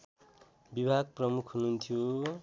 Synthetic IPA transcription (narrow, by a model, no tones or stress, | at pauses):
bibʱaɡ̚prʌmukʰɦununt̪ʰijo